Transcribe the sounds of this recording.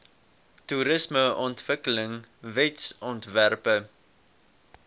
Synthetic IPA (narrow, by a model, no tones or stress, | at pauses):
tuɾəsməʔɔntv̥əkələŋvɛtsɔntværpə